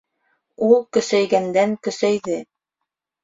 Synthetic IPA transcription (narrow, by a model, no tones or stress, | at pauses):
ulˠkɵ̆sæjɡænd̪æŋkɵ̆sæjðɘ